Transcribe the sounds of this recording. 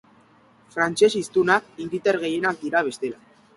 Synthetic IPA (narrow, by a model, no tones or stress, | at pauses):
fɾant͡ʃe̞sist̪unakiŋɡilt̪e̞ɾɣe̞je̞nak̚d̪iɾaβ̞e̞st̪e̞la